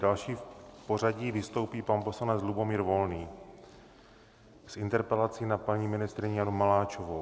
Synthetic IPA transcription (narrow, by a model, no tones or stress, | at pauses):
dalʃiːpo̞r̝aɟiːvɪst̪o̞wpiːpanpo̞slanɛt͡slubo̞miːɾvo̞lniː | sʔɪnt̪ɛɾpɛlat͡siːnapaɲiːmɪnɪst̪ɾɪɲijanumalaːt͡ʃovo